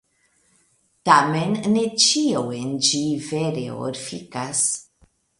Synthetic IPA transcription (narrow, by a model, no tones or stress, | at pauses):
tamennet͡ʃiowend͡ʒiveɾḛo̰ɾfikas